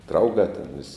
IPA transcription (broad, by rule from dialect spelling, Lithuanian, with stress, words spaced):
ˈdrɐʊɡɑː tʲɛn ʋʲɪsʲ